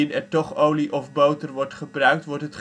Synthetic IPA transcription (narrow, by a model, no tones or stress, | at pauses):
ɪnɛtɔχowliʔɔfbowtərʋɔɹtχəbrœɥk̚tʋɔɹtɦətχ